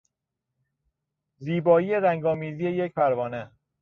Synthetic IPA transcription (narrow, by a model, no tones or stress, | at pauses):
ziːbɒːijeɾæŋɡɒːmiːzije̞jec̚pʰæɾvɒːne